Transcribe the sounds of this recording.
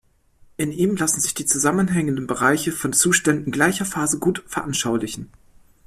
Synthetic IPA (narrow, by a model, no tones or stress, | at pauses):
ʔɪniːmlasn̩zɪçd̥iːt͡suzamənɦɛŋəndən̩bəʁaɪçəfɔnt͡suːʃtɛndnɪnɡlaɪçɐfaːzəɡuːtfɛɐʔanʃaʊlɪçn̩